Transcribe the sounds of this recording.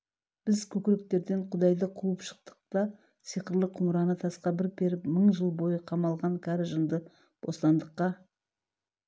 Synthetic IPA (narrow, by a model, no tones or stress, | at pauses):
b̥ɪzkʲʰɵkʲɪɾɪk̚t̪e̞ɾd̪e̞ɴqʰʊd̪ɑjd̪əqʰuəpʃə̥q̚t̪ə̥q̚t̪ɑ | sijqəɾlˠəqʰʊmɾɑnət̪ʰɑsqɑbɪɾbe̞ɾɪpməɴʒəlˠbo̞jəqʰɑmɑlˠʁɑŋkʲʰæɾɪʒənd̪ə | b̥oslˠɑnd̪əqːɑ